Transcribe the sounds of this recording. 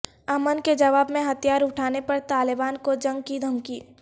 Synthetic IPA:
ɐmənked͡ʒɐʋaːbmẽɦɐt̪ijaːɾʊʈʰaːnepɐɾt̪aːlɪbaːnkod͡ʒɐ̃ŋɡ̚kid̪ʱɐmkiː

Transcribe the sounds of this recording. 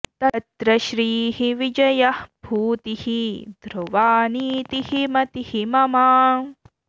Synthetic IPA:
t̪ɐt̪ɾɐʃɾiːɦiʋid͡ʒɐjɐhbʱuːt̪ihid̪ʱɾuʋaːniːt̪ihimɐt̪ihimɐmaːn

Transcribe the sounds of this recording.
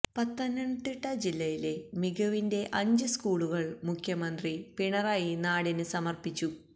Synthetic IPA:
pɐt̪ːɐnɐɳt̪ːiʈːɐd͡ʑilːɐjile̞miɣɐʋinde̞ʔɐɲd͡ʑɨskuːɭuɣɐɭmukʰjɐmɐnd̪ripiɳɐraːjinaːɽinɨsɐmɐrpit͡ɕːu

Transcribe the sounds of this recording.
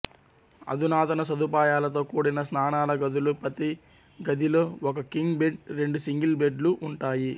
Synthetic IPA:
ɐ̰d̪ʱunaːt̪ɐnɐsɐd̪upaːjaːlɐt̪o̞ːkuːɽinɐsnaːnaːlɐɡɐd̪ulupɾɐt̪i | ɡɐd̪ʱiloɔkɐkiŋɡbeɖɾe̞ɳɖusiŋɡilbeɖluʔuɳʈaːji

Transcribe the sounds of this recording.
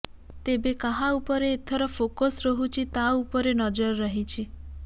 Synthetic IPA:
t̪ebekaɦãupɔɾeːt̪ʰɔɾɔpʰokɔsɾɔɦut͡ʃʰit̪aupɔɾenɔd͡ʒɔɾːɔɦit͡ʃʰi

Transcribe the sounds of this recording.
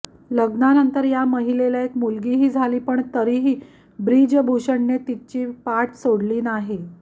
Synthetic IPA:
ləɡnanənt̪əɾjaməɦilelaekmulɡiɦiːd͡zʱaliːpəɳt̪əɾiɦiː | bɾid͡ʑbʱuɕəɳːet̪it͡ɕiːpaʈsoɽliːnaɦe

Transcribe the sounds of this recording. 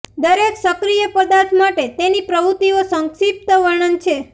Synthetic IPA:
d̪əɾeksəkɾijəpəd̪aɾt̪ʰmaʈet̪enipɾəʋut̪iosəŋkʃip̚t̪əʋəɾɳənt͡ʃʰe

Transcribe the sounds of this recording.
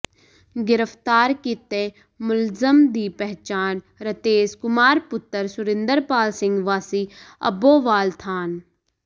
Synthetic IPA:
ɡɪɾəft̪aːɾkiːt̪eː | mʊlzəmd̪iːpɛɦt͡ʃaːn | ɾət̪eːskʊmaːɾpʊt̪ːəɾsʊɾɪ̃nd̪əɾpaːlsɪŋɡʋaːsiːə̰boːʋaːlt̪ʰaːn

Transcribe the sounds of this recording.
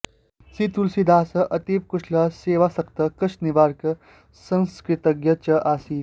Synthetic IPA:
sit̪ulsid̪ʱaːsɐʔɐt̪iːp̚kuʂʰlaseːʋasɐkt̪ɐkɐsniʋaːɾkɐ | sɐ̃nskɾit̪ɐɡjɐt͡ʃɐʔaːsiː

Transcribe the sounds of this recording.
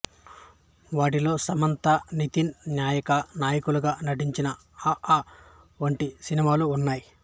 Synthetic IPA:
ʋaːʈ̬ilo̞ːsɐmɐnt̪ɐnit̪innjaːjɐkɐnaːjɐkuluɡaːnɐʈ̬iɲt͡ʃinɐ | aa | ʋɐɳʈisinimaːluːnːaːji

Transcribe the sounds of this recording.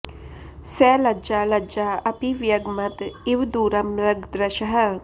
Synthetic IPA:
sɛːlɐd͡ʒaːlɐd͡ʒaːɐpiʋjɐɡmɐt̪ɪʋd̪uːɾɐmɾɐɡd̪ɾɐʃəɦə̆

